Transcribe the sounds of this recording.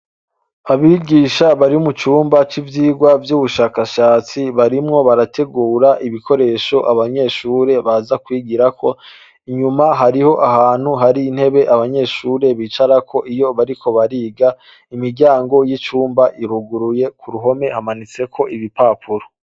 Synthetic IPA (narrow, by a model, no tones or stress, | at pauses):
aβiɡiːʃaβaɾiumut͡ʃuːmbat͡ʃivjiːɡwavjuːβuʃaːkaʃaːt͡siβaɾimŋo̞βaɾatʰe̞ɡuːɾaʔiβikʰo̞ɾe̞ːʃo̞ʔaβaɲe̞ːʃuːɾe̞βazakwiːɡiɾakʰo̞ | iɲumaɦaɾiho̞ʔaɦaːn̥huɦaɾiːn̥he̞βe̞ʔaβaɲe̞ːʃuːɾe̞βiːt͡ʃaɾakʰo̞ʔijo̞βaɾikʰo̞βaɾiːɡa | imiɾɟaːŋɡo̞jit͡ʃuːmbaʔiɾuɡuɾuje̞kuɾuɦo̞me̞hamanit͡se̞kʰo̞ʔiβipaːpʰuɾo